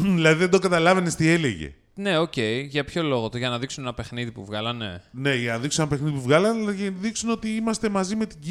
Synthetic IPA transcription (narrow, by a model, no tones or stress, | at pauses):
ðilɐðiðed̪oɡɐt̪ɐlɐvenest̪ie̞leʝḛ | ne̞o̞ce̞iʝɐpço̞lo̞ɣot̪oʝɐnɐðiksune̞nɐpe̞xniðipṵvɣɐlɐne̞̰ne̞ʝɐnɐðiksunenɐpexniðipuvɣɐlɐneʝðiksuno̞t̪iimɐst̪e̞mɐzime̞t̪iɟ